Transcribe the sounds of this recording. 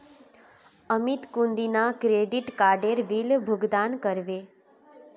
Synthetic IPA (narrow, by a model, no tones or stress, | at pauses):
əmit̪kũnd̪inakɾeɖiʈkaɾɖeɾʋilbʱʊɡd̪ankəɾʋe